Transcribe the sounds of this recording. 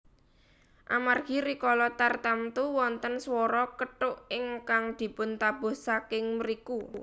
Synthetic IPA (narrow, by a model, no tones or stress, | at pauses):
ʔa̰marɡ̥i̤ɾikɔlɔt̪art̪amt̪uwɔnt̪ənswɔɾɔkəʈʊʔɪŋkaŋd̪̥i̤pʊnt̪ab̥ʊ̤hsakɪŋməɾiku